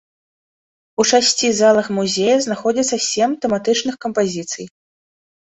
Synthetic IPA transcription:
ut͡ʂasʲt͡sʲizalˠɐxmuzʲejɐznaxɔd͡zʲit̪sːɐsʲemt̪ɛmat̪ɨt͡ʂnɨxkɐmpazʲit̪sɨj

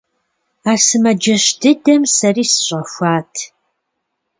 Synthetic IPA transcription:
aːsɨmɐd͡ʒɐɕdʰɨdɐmsɐriːsɨɕʼɐxʷaːtʰ

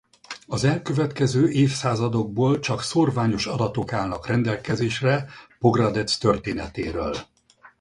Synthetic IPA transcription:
ɒzɛlkø̞vɛt̪kɛzøːʔeːfsaːzɒd̪o̞ɡ̚boːlt͡ʃɒksorvaːɲo̞ʃɒd̪ɒt̪o̞kaːlnɒkrɛnd̪ɛlkɛzeːʃrɛpo̞ɡrɒd̪ɛt̪st̪ø̞rt̪eːnɛt̪eːɾø̰ːl

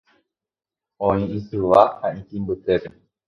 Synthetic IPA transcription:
õĩĩsɨʋahãĩk̪ĩmbɨt̪epe

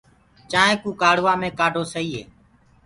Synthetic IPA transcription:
t͡ʃaːɦẽːkũːkaːɽʋaːmẽːkaːɖʱoːsəiːḛː

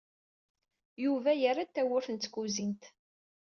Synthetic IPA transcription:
juvæjəɾat̪ːæwʊɾθənt̪ːkuzint̪

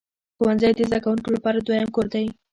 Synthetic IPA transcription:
xowanzəjd̪əzd̪akawunkolapɑɾad̪wajamkoɾd̪aj

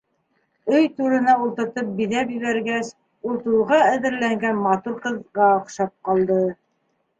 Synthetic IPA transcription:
ɵjt̪uɾɤ̆nɑulˠt̪ɤ̆ɾt̪ɤp̚biðæpjɘ̆βæɾɡæs | ulˠt̪ulʁɑæðɘ̆ɾlæŋɡænmɑt̪uɾqɤ̆ðʁɑŏχʃɑp̚qɑlˠd̪ɤ

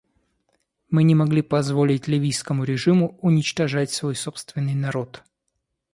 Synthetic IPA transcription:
mɨnʲɪmɐɡlʲipɐzvo̞lʲɪtʲlʲɪvʲijskəmʊɾʲɪʐɨmʊʊnʲɪt͡ɕt̪ɐʐatʲsvo̞jso̞pst̪vʲɪnːɨjnɐɾo̞t̪

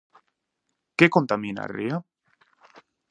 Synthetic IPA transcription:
kekont̪amina̰ɾia

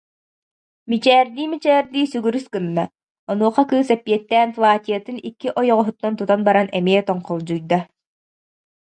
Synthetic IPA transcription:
mit͡ɕɛːɾd̪iːmit͡ɕɛːɾd̪iːsyɡyɾyskɯnːa | ɔnuɔχakɯːsɛpːiɛt̪ːɛːnflˠaːt̪ijɐt̪ɯnikːiʔɔjɔʁɔɦut̪ːɔnt̪ut̪anbaɾanɛmiɛt̪ɔɴqɔlˠd͡ʑujd̪a

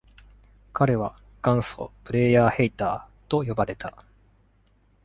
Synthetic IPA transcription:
kaɾe̞βa | ɡ̥ãɰ̃so̞̰pɯ̟ɾe̞jaːhe̞it̪aːt̪o̞jo̞baɾe̞t̪ʰa

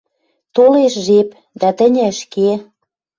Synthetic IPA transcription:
t̪oleʃʒep | d̪æt̪ə̆nʲɘʃke

